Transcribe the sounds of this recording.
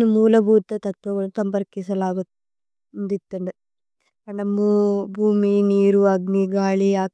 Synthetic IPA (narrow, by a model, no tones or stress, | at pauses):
numuːlɐbʱuːt̪ːɐt̪ɐt̪ʋɐɡɐɭusɐmpɐɾkisɐlaːɡut̪ː | ɐnd̪it̪ːɐɳɖe | ɐɳɖɐmːubʱuːminiːɾuɐɡniɡaːɭiaː